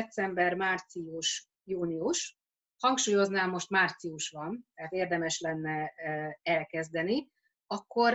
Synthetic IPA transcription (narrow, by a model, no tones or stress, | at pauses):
ɛt̪sɛmbɛrmaːrt̪sijuʃ | juːnijuʃ | hɒŋkʃuːjo̞znaːmːo̞ʃt̪maːrt̪siuʃʋɒnt̪ɛɦat̪eːrd̪ɛmɛʃlɛnːɛ | ɛlkɛzd̪ɛni | ɒkːo̞r